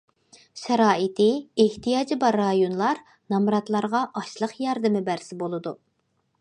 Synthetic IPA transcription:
ʃɛɾɑːit̪ʰɪeht̪ʰijɑːd͡ʒibɑɾːɑjonlˠɑɾ | nɑmɾɑt̪lˠɑɾʁɑʔɑʃlˠəχjɑɾd̪ɨmɪbæɾsɪbolˠɨd̪u

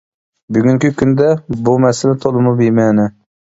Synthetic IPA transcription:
byɡʲyŋkʲikʲʰynd̪ɛbumɛsɪlɛt̪ʰolˠɨmubimɛnɪ

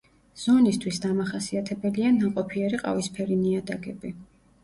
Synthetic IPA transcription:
z̥ɔnist̪ʰwisd̪amaχasiat̪ʰɛbɛlianaqʼɔpʰiɛɾiqʼa̰vispʰɛɾiniad̪aɡɛbi

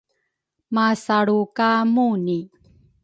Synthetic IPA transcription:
masaɭukamuni

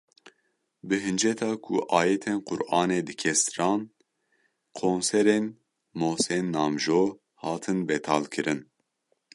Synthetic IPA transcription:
bɨɦɨnd͡ʒɛt̪ʰɑːkʰṵʔɑːjɛt̪ʰeːnqʊɾʔɑːneːd̪ɨkʰɛst̪ɨɾɑːn | kʰoːnsɛɾeːn | mosɛnːɑːmʒoː | hɑːt̪ʰɨnbɛt̪ʰɑːlkʰɨɾɨn

